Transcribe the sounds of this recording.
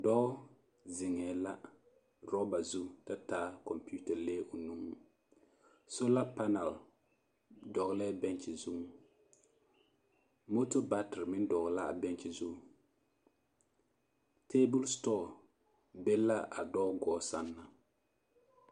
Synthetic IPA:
dɔ˦ | zɪ˨ŋɛː˨la˦ | ɾɔ˦ba˨zu˦ta˦taː˦kɔ˨mpi˦u˦ta˨leː˦o˨nu˦ŋu˨ | so˦la˦pa˦na˨l | dɔ˨ɣlɛ˦bɛ˦nt͡ʃɪ˨zu˦ | mo˦to˦ba˦tɪ˨ɾmɪ˦ndɔ˨ɣla˦a̰˨bɛ˦nt͡ʃɪ˨zu˦ | teː˦bʊ˦lstɔ˦˨ | be˦la˦ʔa̰˨dɔ˦ɡɔː˨˦sa˦nːa˨

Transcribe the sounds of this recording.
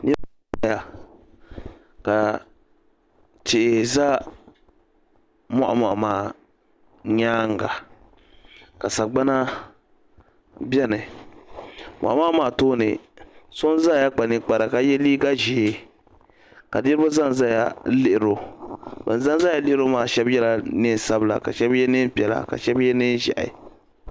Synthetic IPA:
nɪ˦ɾbo˦a˦ja˨ | ka˨ | t͡ʃɪ˨za˦ | ma˦ʔa̰˨ma˨ʔa˨maː˦˨ | ɲaː˦ŋ˨ɡa̰˨ | ka˨sa˨ɡ͡ba˦na˦ | bɛ˦nɨ˨ | mɔ̰˨ʔa˨ma˦ʔmaː˨toː˦nɨ̰˨so˦n˦za˦˨ja˦k͡pa˨nɨ˦k͡pa˨ɾa˨ka˦jɛ˦liː˦ɡa˦ʒeː˨˦ | ka˨dɪ˦ɾbʊ˦za˦n˨za˦ja˨lɪ˦ʔɪ˨ɾo˦bɛ̰˨n˨za˦n˦za˦ja˨lɪ˦ʔɪ˦ɾo˦maː˦˨ʃɛ˦bjɛ˦la˦nɨ˦˨sa˦bla̰˨ka̰˨ʃɛ˦bjɛ˦nɨ˦m˦pɛ˨la̰˨ka̰˨ʃɛ˦bjɛ˦nɪ˦n˦ʒa̰˨ʔɪ̰˨

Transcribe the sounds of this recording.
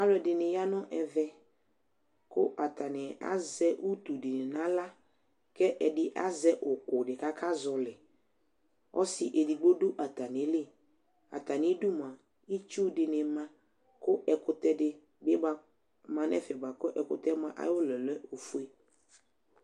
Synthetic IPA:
a˦lɛ˨dɪ˨nɪ̃˨ja˦nɔ̃˦ʔɛ˨vɛ˦ | kʊ˦ʔa˨t̪a˨nɪ˨a̰˦zɛ˦ʔu˦t̪u˨dɪ˨nɪ˨nã˦la˦ | kɛ˦ʔɛ˨dɪ˦ʔa˦zɛ˦ʔʊ˨kʊ˨dɪ˨ka˦kʰa˦zɔ˨lɪ˨ | ɔ̰˦sɪ˨ʔe˨di˨ɡ͡bo˦du˦ʔa˨t̪a˨nɪ̃˨˦lɪ˦ | a̰˨t̪a˨nɪ̃˦du˦mã˨ | i˦t͡ʃu˦dɪ˨nɪ̃˨mã˨ | kʊ˦ʔɛ˨kʊ˨t̪ɛ˦dɪ˨ | bɪ˦ba˨ | mã˨nɛ̰˦fɛ˨ba˨kʊ˦ʔɛ˨kʊ̰˨t̪ɛ˦mã˨ʔa̰˦jwʊ˦lɛ˨lɛ˦o˨fu˦e˦

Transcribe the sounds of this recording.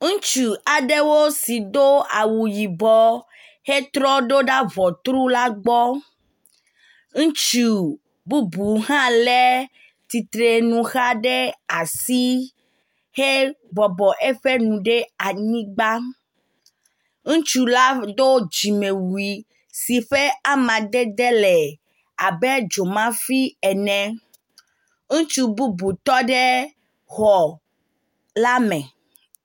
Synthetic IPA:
ŋũ˦t͡ʃu˨a˨ɖe˦wo˦si˨d̪o˦a˨wu˨ji˨bɔ˦ | he˦t̪ɾɔ˦ɖo˦ɖa˦vɔ˨t̪ɾu˦la˦ɡ͡bɔ˦ | ŋ̩̃˦t͡ʃu˨ | bu˦bu˨ɦã˦le˦ | t̪i˨t̪ɾe˨nũ˨xa˦ɖe˦a˨si˦ | he˦bɔ˨bɔ˨ʔe˦ɸe˦nũ˨ɖe˦a˨ɲĩ˦ɡ͡ba˦ | ŋũ˦t͡ʃu˦la˦d̪o˦d͡ʒi˨mẽ˨wu˨i˨ | si˨ɸe˦a˦mã˨d̪e˦d̪ɛ˦lɛ˨ | a˨bɛ˦d͡ʒo˨mã˦fi˦ɛ˨nɛ̃˨ | ŋũ˦t͡ʃu˦bu˦bu˨t̪ɔ˦ɖɛ˦ | xɔ˨ | la˦mɛ̃˨

